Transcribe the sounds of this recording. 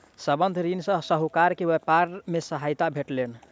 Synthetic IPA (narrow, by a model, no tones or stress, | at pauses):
səbənd̪ʱɾinsə̃səɦukaɾkeʋepaɾmesəɦajt̪abʱeʈlen